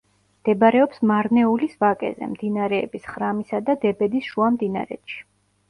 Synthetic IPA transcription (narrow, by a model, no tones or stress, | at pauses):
md̪̥ɛbɾɛɔpsmaɾnɛulisvakʼɛ̰zɛ̰md̪inaɾɛːbisχɾamisad̪ad̪ɛbɛd̪isʃuamd̪ina̰ɾɛ̰t̪ʃi̥